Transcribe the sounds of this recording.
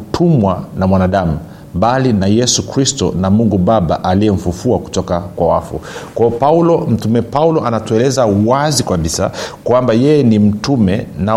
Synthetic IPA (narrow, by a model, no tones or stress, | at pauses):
tʰumwanamwanaɗamu | ɓalinajɛsukɾistɔ̰namuŋɡuɓaɓa̰ʔaliɛm̩fufuaku̥tɔkakwawa̰fṵkwaɔpaulɔm̩tumɛpaulɔʔanatuɛlɛzawazikaɓisa̰kwambajɛjɛnim̩tumɛna